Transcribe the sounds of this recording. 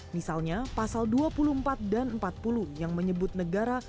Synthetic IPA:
misalɲapasalduapuluəmpat̪̚danəmpat̪̚puluhjaŋməɲəbʊt̪̚nəɡaɾa

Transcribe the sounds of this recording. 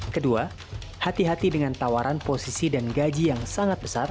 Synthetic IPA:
kədua | hat̪iɦat̪idəŋant̪awaɾʔanposisidanɡad͡ʒijaŋsaŋat̪̚bəsar

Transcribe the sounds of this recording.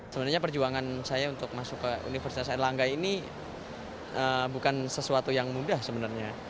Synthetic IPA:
səbənaɾrɲap̬ərd͡ʒuaŋansajaunt̪ʊk̚masʊkːəṵnifərsit̪asalaŋɡaini | əbukansəsuat̪ujaŋmudahsəbənarɲa

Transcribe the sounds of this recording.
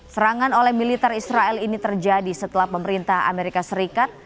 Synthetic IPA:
səɾaŋanolɛhmilit̪ɛrisɾaɛlinit̪ərd͡ʒadisət̪əlahpəməɾint̪aha̰meɾikasəɾikat̪̚

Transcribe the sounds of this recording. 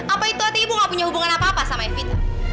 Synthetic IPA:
ʔapait̪uat̪ibuŋapuɲahubuŋanapaːpasamaɛfit̪u

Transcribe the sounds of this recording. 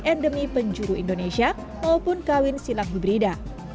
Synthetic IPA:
ɛndəmipəɲd͡ʒuɾuindonesia | maupʊnkawɪnsilak̚bibəɾida

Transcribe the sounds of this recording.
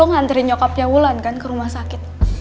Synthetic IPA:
ʊŋhant̪əɾiɲɔkɔp̚jawulankankəɾumahsakɪt̪̚

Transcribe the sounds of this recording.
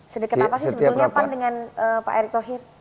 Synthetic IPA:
sədəkət̪apasisəbtulɲapandəŋanəpa̰ʔeɾik̚t̪oɦɪr

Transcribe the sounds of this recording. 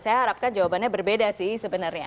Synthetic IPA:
sajaɦaɾap̚kand͡ʒawabanɲabərbedasɪhsəbənarɲa̰

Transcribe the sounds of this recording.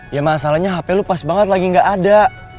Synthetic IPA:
jamasalahɲaɦapɛlupasbaŋət̪laɡiŋɡaʔada

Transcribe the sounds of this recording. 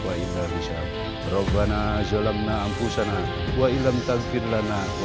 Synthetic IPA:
ailabisa | rɔbanazɔlamnaːmpusana | uailamt̪aɡpirlana

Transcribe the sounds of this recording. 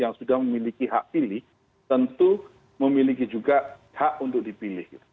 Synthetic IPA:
jaŋsudahməmilikiɦaʔpilɪh | t̪ənt̪u | məmilikid͡ʒuɡaʔ | haʔunt̪ʊk̚dipilɪhɡit̪u̥

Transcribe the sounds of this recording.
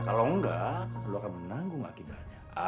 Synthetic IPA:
kaloəŋɡaluakanmənaŋɡʊŋa̰kidaɲa | a

